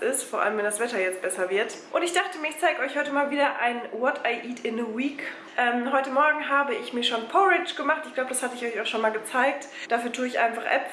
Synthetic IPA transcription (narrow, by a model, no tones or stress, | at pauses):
ʔɪstfoːɐʔa̰ləmvɛndasv̥ɛtɐjɛt͡st̚b̥ɛsɐvɪɐtʔʊntɪçd̥aχtəmiːɐɪçt͡saɪɡəɔʏçhɔʏtəmaːlviːdɐʔaɪnwɔtaɪʔiːtɪnəwiːk | ʔɛmɦɔʏtəmɔɐɡŋ̩ɦaːbəɪçmiːɐʃoːnpʰɔʁɪt͡ʃɡ̥əmaχtɪçɡ̥laʊbəd̥ashatəɪçɔçaʊxʃoːnmaːlɡət͡saɪk̚t | d̥aːfyːɐtʰuːɪçʔa̰ɪnfaχʔɛ̰p